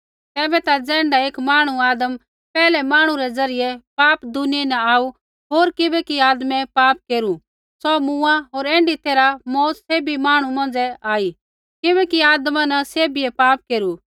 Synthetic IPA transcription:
t̪ɛːbɛt̪ad͡zɛ̃ːɳɖaeːkmaːɽ̃uaːd̪əm | pɛːlɛmaːɽ̃ũɾɛd͡zɐɾɪjɛpaːpd̪ʊnijenɛaːu | ɦoːɾkɪbɛkiaːd̪mɛpaːp̚keːɾu | sɔmũːãɦoːɾɛ̃ːɳɖit̪eːɾamɔːt̪seːbimaːɽ̃umɐ̃nd͡zɛaːi | kɪbɛkiaːd̪mãnɐseːbiɛpaːp̚keːɾu

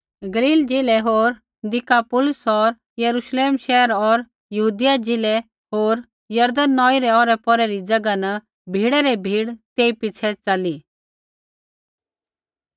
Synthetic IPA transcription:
ɡɐliːld͡ʒɪlɛɦoːɾ | d̪ɪkapʊlʊsɔɾ | jɐɾuʃleːmʃɛɦəɾɔɾ | jɐɦuːd̪ɪjad͡ʒɪlɛ | ɦoːɾ | jɐɾd̪ənːɔːiɾɛɔːɾɛpɔɾɛɾid͡ʒɐɡanɐ | bʱiːɽɛɾɛbʱiːɽt̪eːipɪt͡ʃʰɛt͡ʃɐli

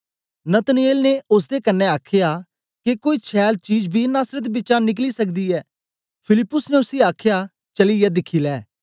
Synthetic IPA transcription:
nət̪ənieːlneʊs̬d̪eːkənːɛaːkʰjaː | kekoːiːt͡ʃʰɛːlt͡ʃiːd͡ʒbʱinaːsɾət̪bɪːt͡ʃãnɪk̬liːsəkd̪iːɛː | pʰɪlɪpːʊsneʊsiːaːkʰɪjaː | t͡ʃəliːjɛːd̪ɪkʰiːlɛː

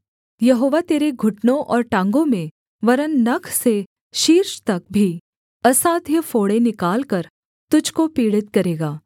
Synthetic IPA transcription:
jɐɦoːʋat̪eːɾeɡʱʊʈnõʔɔːɾʈãːŋɡõmẽ | ʋɐɾənːɐkʰse | ʃiːɾʃt̪ɐk̚bʱi | ɐsaːd̪ʱjəfoːɽenɪkaːlkɐɾ | t̪ʊd͡ʒʱkopiːɽɪt̪̚kɐɾeːɡaː

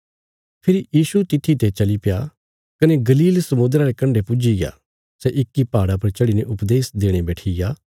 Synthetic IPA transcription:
pʰɪɾijiːsut̪ɪt̪ʰːit̪et͡ʃɐlipeja | kɐneɡɐliːlsɐmʊnd̪ɾaɾekɐ̃ɳɖepʊd͡ʒiɡeja̰ | sɛʔɪkːipaːɽap̬ɐɾt͡ʃɐɽineʔʊpd̪eːsd̪eːɽ̃ebɛːʈʰiɡaː

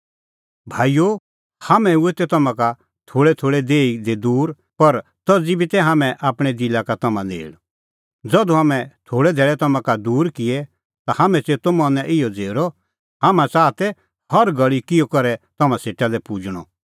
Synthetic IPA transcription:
bʱaːijo | hamɛ̃uet̪ɛt̪ɐmãka | t̪ʰoːɽɛt̪ʰoːɭɛd̪eːid̪ed̪uːɾ | pɐɾt̪ɐd͡zibʱit̪ɛɦaːmɛ̃ʔaːpɽ̃ɛd̪ilakat̪ɐmãnḛːɽ | d͡zɐd̪uɦamɛ̃t̪ʰoːɽɛd̪ʱɛːɭɛt̪ɐmãkad̪uːɾkɪɛ | t̪ahamɛ̃t͡seːt̪omɔ̃nɛ̃ʔɪjɔd͡zeːɾɔ | haːmãt͡saːt̪ɛ | hɐɾɡɐɭikɪjɔkɐɾɛt̪ɐmãseːʈalɛpud͡ʒɽ̃ɔ̰

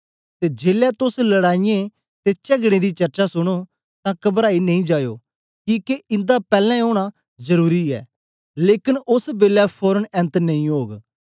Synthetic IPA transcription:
t̪eːd͡ʒeːlɛːt̪ʊsləɽaːijẽ | t̪et͡ʃəɡɽ̃ẽd̪iːt͡ʃɐɾt͡ʃaːsʊɽ̃oː | t̪ãːkəbɾaːinɐ̃ĩːd͡ʒaːjo̰ː | kiːkeɪ̃nd̪apɛːlɛ̃oːɽ̃a | zəɾuːɾiɛ̰ː | leːkɪnʊsbeːlɛpʰoːɾənɛ̃nt̪nəĩːɦoːɡ

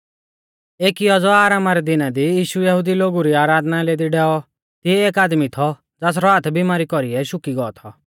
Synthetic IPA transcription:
eːkiɔd͡zɔaːɾaːmaɾɛd̪ɪnad̪ijiːʃujɐɦʊd̪iloːɡuɾiaːɾaːd̪naleːd̪iɖɛːɔ | t̪iɛeːkaːd̪mit̪ʰɔ | d͡zaːs̬ɾɔɦat̪ʰbimaːɾikɔɾiɛʃʊkiɡɔɔt̪ʰɔ

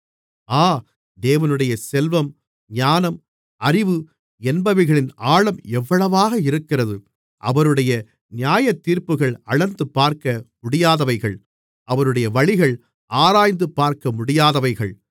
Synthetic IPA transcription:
aː | d̪eːʋɐnɯɽɐjɐsɛlʋɐm | ɲaːnɐm | ɐɾɪʋɯ | ɛnbɐʋɪɣɐɭɪnaːɭɐmɛʋːɐɭɐʋaːɣɐɪɾɯkːɪrɐðɯ | ʔɐ̰ʋɐɾɯɽɐjɐ | nɪjaːjɐt̪ːiːɾpɯɣɐɭɐɭɐnd̪ɯpːaːɾkɐmʊɽɪjaːðɐʋɐɪɣɐɭ | ʔɐʋɐɾɯɽɐjɐʋɐɭɪɣɐɭ | ʔaːɾaːjnd̪ɯpːaːɾkɐmʊɽɪjaːðɐʋɐɪɣɐɭ

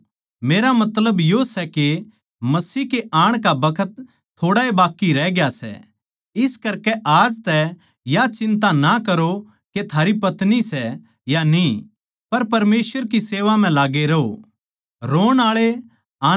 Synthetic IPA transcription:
meːɾamɐt̪ləbjosɛke | mɐsiːkeʔaːɽ̃kabɐkʰət̪ʰː | oːɽaebaːkːiɾɛːɡɪjasɛ̰ | ɪskɐɾkɛʔaːd͡ʒt̪ɛ | jat͡ʃɪ̃nt̪anakɐɾo | ket̪ʰaːɾipɐt̪nisɛ | janĩ | pɐɾpɐɾmeːsʋəɾkiseːʋam̤ɛ̃laːɡeɾɐo̰ | ɾoːɽ̃aːɭe | aː

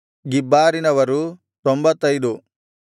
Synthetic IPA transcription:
ɡibːaːɾinɐʋɐɾu | t̪ɔmbɐt̪ːɐjd̪u

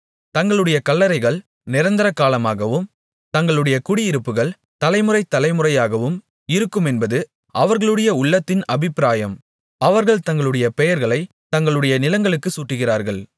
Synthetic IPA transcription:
t̪ɐŋɡɐɭɯɽɐjɐkɐlːɐɾɐɪɣɐɭ | nɪɾɐnd̪ɐɾɐkːaːlɐmaːɣɐʋɯm | t̪ɐŋɡɐɭɯɽɐjɐkʊɽɪjɪɾɯpːɯɣɐɭ | t̪ɐlɐɪmɯrɐɪt̪ːɐlɐɪmɯrɐjaːɣɐʋɯm | ɪɾɯkːɯmɛnbɐðɯ | ʔɐʋɐɾɣɐɭɯɽɐjɐʊɭːɐt̪ːɪnɐbɪpːɪɾaːjɐm | ɐʋɐɾɣɐɭt̪ɐŋɡɐɭɯɽɐjɐpɛjɐɾɣɐɭɐɪ | t̪ɐŋɡɐɭɯɽɐjɐnɪlɐŋɡɐɭɯkːɯsuːʈːɯɣɪraːɾɣɐɭ

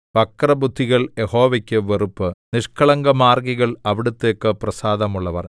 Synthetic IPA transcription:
pɐkːrɐbud̪ʱːiɣɐɭjeho̞ːʋɐkʲːɨʋerupːɨniʂkʰɐɭɐŋɡɐmaːrɡiɣɐɭɐʋiɽut̪ːe̞ːkːɨprɐsaːd̪ɐmuɭːɐʋɐr

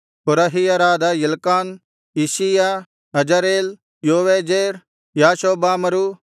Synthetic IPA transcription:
kʊɾɐɦijaɾaːd̪ajɐlkaːn | isija | ɦɐd͡ʒaɾeːl | joːʋed͡ʒeːɾ | jaːʃoːbaːmɐɾu

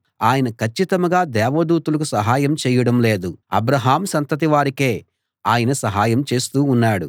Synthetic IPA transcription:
aːjɐnɐkʰɐt͡ʃːit̪ɐmɐɡaːd̪ɛːʋɐd̪uːt̪ulɐk̬usɐɦaːjɐmt͡ʃɛːjɐɽɐmle̞ːd̪uɐ̰bɾɐɦaːmsɐnt̪ɐt̪̬iʋaːɾike̞ː | aːjɐnɐsɐɦaːjɐmt͡ʃe̞ːst̪uːnːaːɽu

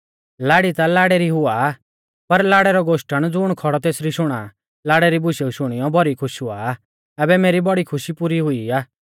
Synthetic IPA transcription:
laːɽit̪alaːɽɛɾiɦʊa | pɐɾlaːɽɛɾɔɡoːʃʈəɽ̃d͡zʊɽ̃kʰɔɽɔt̪eːsɾiʃʊɽ̃a | laːɽɛɾibʊʃeuʃʊɽ̃ɪjɔbʱɔɾikʰʊʃɦʊaː | ɛbɛmeːɾibɔɽikʰʊʃipuːɾiɦʊiaː

